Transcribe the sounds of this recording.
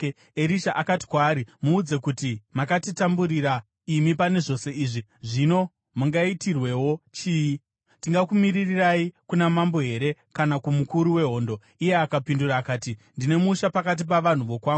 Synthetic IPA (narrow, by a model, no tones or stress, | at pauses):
eɾiʃaʔakati̥kwaːɾimuud͡ze̞kutimakatitambuɾiɾa | imipane̞ʐo̞se̞iːʐiʐino̞ | muŋɡaitirwe̞wo̞t͡ʃiːji | tiŋɡakumiririraikunamambo̞ɦe̞ɾe̞kanakumukuɾuwe̞ɦo̞ːndo̞ | ije̞akapinduɾaːkaːtindine̞muʃapakat̬ip̬aʋan̤uʋo̞kwaːɡu